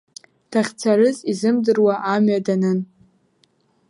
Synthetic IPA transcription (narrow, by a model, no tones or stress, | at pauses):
d̥aχʲt͡sʰarɨzizɨmdɨrwaʔamɥadanɨn